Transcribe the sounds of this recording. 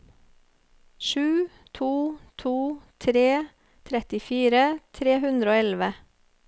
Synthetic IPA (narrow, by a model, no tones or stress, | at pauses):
ʃʉː | t̪ʰuːt̪ʰuːt̪ʰɾeː | t̪ʰɾɛt̪ɪfiːɾət̪ʰɾeːhʉnd̪ɾəoːɛlʋə